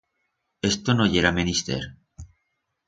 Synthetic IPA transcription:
e̞st̪onoʝeɾamenist̪ḛɾ

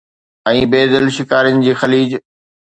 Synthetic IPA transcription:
ɛ̃ːbeːd̪ɪlʃɪkaːɾənɪ̆d͡ʑiːxɐliːd͡ʑ

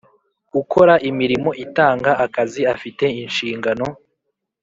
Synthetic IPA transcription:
ɡukʰo̞ɾaʔimiɾimo̞ʔitaːŋɡaʔakaziafite̞inʃiːŋɡano̞

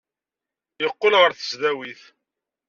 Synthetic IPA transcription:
jəqːolʁəɾθə̥sðæwiθ

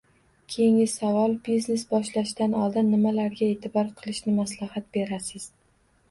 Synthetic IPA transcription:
kʲʰejɪŋɪsavɒlˠbizne̞sbɒʃlaʃd̪anɒlˠd̪ɪnːɪmalaɾɡʲae̞t̪ʰɪbɒɾqʰɨlˠɪʃnɪmaslˠahat̪̚be̞ɾasɪz̥

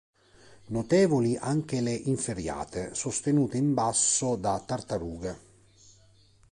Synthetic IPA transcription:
not̪ɛːvoliʔaŋk̟ɪleʔiɱfeɾja̰ːt̪esost̪enuːt̪eimbasːod̪at̪ːart̪aɾuːɡe

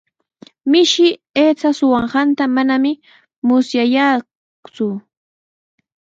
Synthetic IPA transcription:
mɪʃɪ | eːt͡sasʊwɑɴɢɑnt̪amanamɪ | mʊsjaja | t͡sʊ

